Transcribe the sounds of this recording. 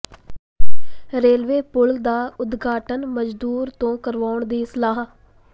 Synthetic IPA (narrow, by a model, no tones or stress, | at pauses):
ɾeːlʋeːpʊld̪aːʊd̪ɡaːʈənməd͡ʒd̪uːɾt̪õːkəɾʋaːʊɳd̪iːɪsəlaːɦ